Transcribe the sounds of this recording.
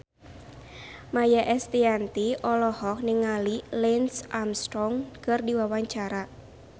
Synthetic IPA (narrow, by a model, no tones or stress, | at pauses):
majaʔɛst̪iant̪iʔɔlɔhɔk̚nɪŋalilɛnsʔamst̪ɾɔŋkərdiwawaɲt͡ʃaɾa